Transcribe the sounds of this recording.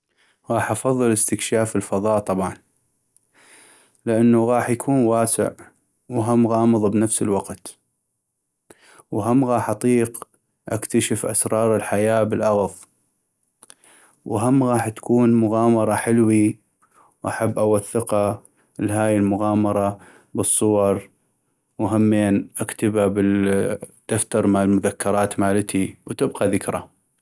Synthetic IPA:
ɣɑːħʔɑfɑðˤːɨlɪst̪ɪkʃaːfəlfɑðˤɑːt̪ˤɑbʕɑn | lɪʔanːaɣɑːħjakʰuːnwaːsɪ̰ʕ | wɦamːɣɑːmɨðˤbnafsəlwaqt̪ | wɦamːɣɑːħʔɑt̪ˤiːq | ʔakt̪aʃəfʔa̰sɾˤɑːɾˤɪlħajaːbəlʔaɣðˤ | wɦamːɣaːħt̪ḁkuːnmʊɣɑːmɑɾˤɑħɪlwi | wʔaħabːʔawaθːɪqa | lɦaːjɪlmʊɣɑːmɑɾˤɑ | bɨsˤːʊwɑɾˤ | wɦamːeːnʔakt̪ababɪ | d̪̥aft̪ɑɾˤmalmʊðakːɑɾˤɑːt̪maːlt̪ʰiwt̪ɪbqɑðɪkɾˤa̰

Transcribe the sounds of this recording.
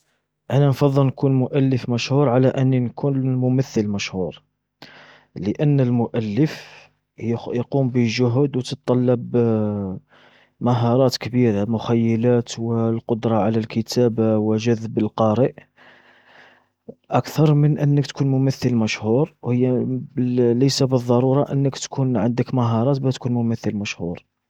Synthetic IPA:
ʔænænfɑðˤːəlnkunmʊʔælːəfmæʃhuɾˤʕalæʔənːinkʰunmʊməθːəlmæʃhuɾˤ | ləʔənːəlmʊʔælːəf | jqumbəʒʊɦd̪wt̪ətt̪ˤːɑlːɑb | maɦɑɾˤɑt̪kbiɾamʊxæjːəlæt̪wəlqod̪ɾˤɑʕalælkʰət̪ʰæbawəʒæðbəlqɑɾəʔ | ʔækt̪ɑɾˤmənʔənːəkt̪kunmʊmæθːəlmæʃhuɾˤwhəjːæ | ləjsabəðˤːɑɾˤuɾˤɑʔənːəkt̪kʰunʕənd̪əkmæɦɑɾˤɑt̪bæt̪kunmʊmæθːəlmæʃhuɾˤ

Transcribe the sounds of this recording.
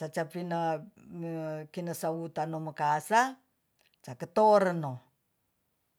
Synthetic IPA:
t͡ʃat͡ʃapinamkinasaut̪anomakasa | t͡ʃakət̪oɾəno

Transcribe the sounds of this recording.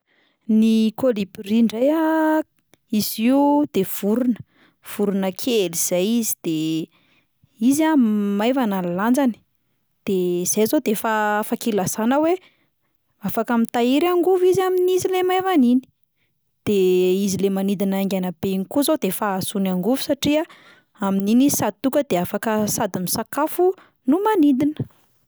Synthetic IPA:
nikolibiriɳɖ͡ʐaja | iziud̪̥ev̥uɾunə | v̥uɾunəkʰeliz̥ajizi̥d̪̥e | izamajvanalland͡zani̥ | d̪̥ez̥ajzod̪efafakilasanəwe | afakəmit̪aiɾaŋɡuvizaminizilemajvanini̥ | d̪̥eizilemanid̪inaŋɡʲanabenikuzod̪efaasunaŋɡuvu̥saʈ͡ʂiə | amininii̥sad̪̚it̪ukəd̪eafakəsad̪imisakafu | numanid̪inə

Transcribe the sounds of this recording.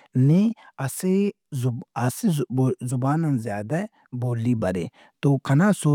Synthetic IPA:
niɐse | ɐsizʊbaːnanzjaːd̪a | boːlːibɐɾḛː | t̪okʰɐnaːso

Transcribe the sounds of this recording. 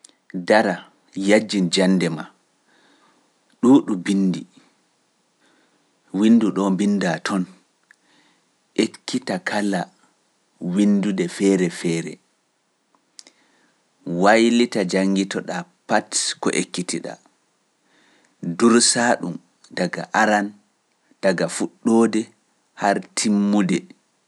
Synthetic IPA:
daɾa | jad͡ʒːind͡ʒanːdɛma | ɗuːɗubinːdi | winːduɗɔbindatʰɔn | ʔekːitakʰala | windudɛfɛːɾɛfɛːɾɛ̰ | wajlitad͡ʒaŋɡitɔɗapatkɔ̰ʔekːitiɗa̰ | duɾsaːɗum | daɡa̰ʔaɾan | d̥aɡafuɗːodɛ | haɾtʰimːudɛ

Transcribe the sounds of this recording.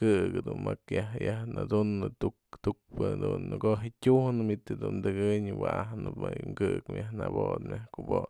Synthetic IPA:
ɨɡɨd̪unmakjahjahnad̪unːɨt̪ukt̪uk̚pɨd̪unːɡoɦit̪ʲuhnɨmit̪ɨd̪und̪ɨɡɨɲwaahnɨpmajŋkɨkmjahnabot̪mʲjahkubo

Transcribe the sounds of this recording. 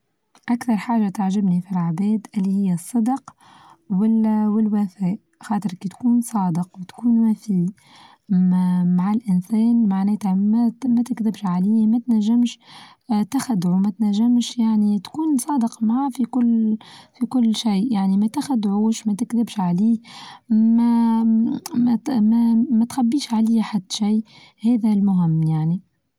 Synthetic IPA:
ʔakθɑɾˤħaːʒat̪aʕʒɪbnifilʕabɛːd̪ʔɪlːihɪjːæsˤːɑd̪q | wɪwɪlwæθɛːʔ | xɑːt̪əɾkit̪kuːnsˤɑːd̪əqwɪt̪kuːnwæfiː | maʕalʔɪnsɛːnmaʕnɛːt̪ammæt̪ɪkd̪ɪbʃʕaliːmæt̪næʒːɪmʃ | t̪axad̪ʕumæt̪næʒːɪmʃjaʕnit̪kuːnsˤɑːd̪əqmaʕafikʊlːfikʊlːʃajʔjaʕnimæt̪axad̪ʕuːʃmæt̪ɪkðɪbʃʕaliː | mæ | mmæmæt̪xabːiːʃʕaliːaħad̪ːʃij | hæːðælmʊɦɪmːjaʕni

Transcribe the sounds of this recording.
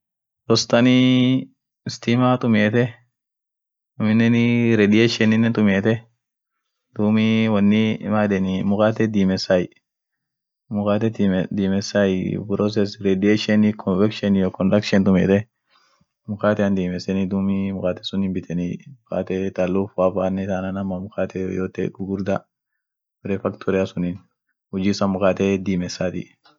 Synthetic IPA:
ɾɔst̪ɐni | ɪst̪imat̪ʼʊmeːt̪ɛ | ʊmɪnːɛnɪɾɛd̪ɪjeʃɛnɪnːɛnt̪ʼʊmeːt̪ɛ | d̪̥uːmiwɐnːɪmaːd̪ɛnɪmʊkaːt̪ɛd̪iːmɛsaj | mʊkaːt̪ɛd̪iːmɛsajpɾɔs̬ɛsɾɛd̪ɪeʃɛnikʰɔvɛkʃɛnjɔkɔndɐkʃɛnt̪ʊmɛ̰ːt̪ɛ | mʊkaːt̪ɛɐnd̪iːmɛsɛnid̪uːmimʊkaːt̪ɛsʊnimbɪt̪ʰɛnimʊka̰ːt̪ɛt̪alːuːfwaːfaːnːɛsanɐnɐmːɐmʊkaːt̪ɛjoːt̪ɛ̰ɡʊɡʊɾd̪a | bɛɾɛfɐkt̪ʰɔɾɛɐsʊnin | hʊd͡ʒiːsɐmʊkaːt̪ɛd̪iːmɛsːaːt̪ḭ

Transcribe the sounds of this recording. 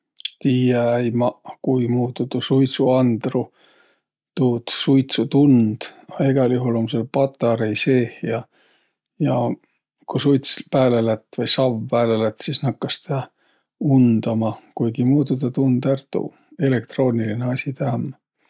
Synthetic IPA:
t̪iːjɑæjmɑkujmuːt̪ːut̪usujt̪suɑnd̪̥ru | t̪uːt̪sujt̪sut̪und̪̥ɑeɡ̥ɑljuɦulo̞mselpɑt̪ːˑɑɾejse̞ːhjɑ | jɑ | kusujt̪spæːlelæt̪ːˑvɤjsɑvːæːlelæt̪sisnɑkːɑst̪ɑ | und̪̥ɑmɑkujɡ̥imuːt̪ːud̪ɑt̪und̪̥ært̪ṵ | e̞le̞k̚t̪ro̞ːnilineɑsʲit̪æːm

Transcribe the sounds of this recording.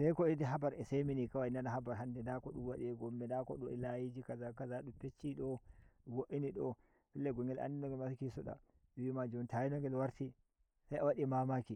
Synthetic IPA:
sajkɔɛdɛɦabaɾɛseminikawainanaɦabaɾɦandɛdakɔɗuwaɗiɛɡɔmːɛdakɔ̰ɗɔʔɛ̰lajid͡ʒikazakazaɗupet͡ʃːiɗɔɡoʔiniɗɔ | pilːɛɡɔŋɡɛlʔa̰ndinɔŋɡɛlmasikisɔɗa̰ | wimad͡ʒɔntajinɔŋɡɛlwaɾti | sajawaɗimamaki

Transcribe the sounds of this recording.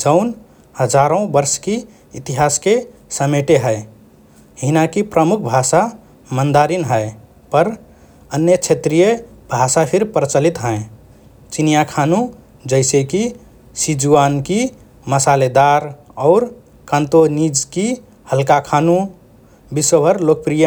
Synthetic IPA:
d͡ʒəʊn | həd͡ʒaɾõbəɾski | it̪iɦaskesəmeʈeɦəe | ɦinakipɾəmukʰbʱasa | mənd̪aɾinɦəe | pəɾ | ənjət͡ʃʰet̪ɾijebʱasapʰiɾpɾt͡ʃəlit̪ɦə̃ẽ | t͡ʃinijakʰanũ | d͡ʒəɪseki | sid͡ʒuanki | məsaled̪aɾɔːɾ | kãnt̪onid͡ʒki | həlkakʰanu | biswəbʱəɾlok̚pɾijə

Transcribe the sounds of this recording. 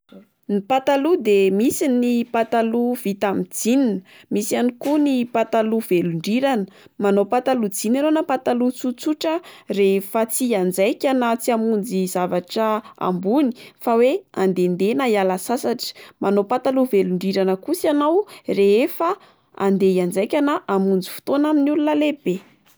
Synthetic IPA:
nipat̪alud̪emisinipat̪aluv̥it̪amid͡zininə | misianikunipat̪aluveluɳɖ͡ʐiɾanə̥ | manopat̪alud͡zinanonapat̪alut͡sut͡suʈ͡ʂərefat͡siand͡zajkʲanat͡siamund͡zizavaʈ͡ʂəa̰mbuni̥faweand̪end̪enajalasasaʈ͡ʂə̥mʔanopat̪aluveluɳɖ͡ʐiɾanəkusianawreefa | a̰nd̪ejand͡zajkʲanaʔamund͡zi̥fu̥t̪onaminulunəleb̥e

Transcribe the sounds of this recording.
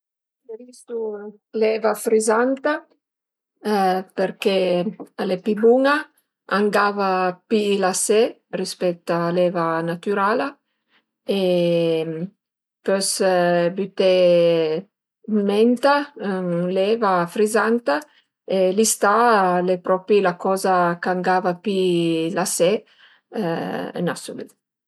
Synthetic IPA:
levisu | lɛvafɾizant̪a | peɾkealepibuŋa | aŋɡavapilase | rispɛk̚t̪alɛvanat̪yɾala | e | pøsbyt̪e | mɛnt̪aŋlɛvafɾizant̪a | elist̪alepɾɔpilakɔzakaŋɡavapilase | nasule

